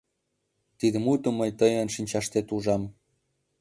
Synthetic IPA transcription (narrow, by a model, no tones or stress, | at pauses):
t̪id̪əmut̪ə̆məjt̪əjənʃinʲt͡ɕɑʃt̪et̪uʒɑm